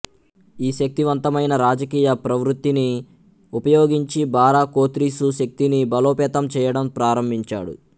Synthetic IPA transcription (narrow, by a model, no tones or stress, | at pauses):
iːʃɐk̚t̪iʋɐnt̪ɐmɐjnɐɾaːd͡ʒɐkiːjɐpɾɐʋɾut̪ːini | upɐjoːɡiɲt͡ʃibaːɾaːkoːt̪ɾisuʃɐk̚t̪inibɐloːpɛːt̪ɐmt͡ʃɛːjɐɽɐmpɾaːɾɐmbʱiɲt͡ʃa̰ːɽṵ